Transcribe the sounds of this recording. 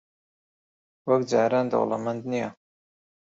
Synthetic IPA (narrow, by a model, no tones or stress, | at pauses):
wɐkd͡ʒaːɾaːnd̪ɐ̰wla̰mɐnd̪nija